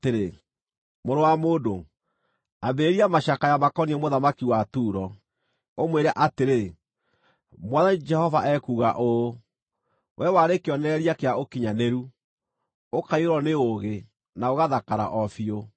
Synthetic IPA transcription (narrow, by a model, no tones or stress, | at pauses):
teɾe | moɾowamoːdo | abeɾeɾiamaʃakajamakɔniemoðamakiwatuːɾɔ | omweɾɛʔateɾe | mwaðad͡ʒɛhɔvaʔɛkuɣa̰ʔo | wʔɛwaɾekeɔnɛɾiakeaokiɲaneɾu | okaiɾɔneoɣe | naoɣaðakaɾa̰ʔɔfio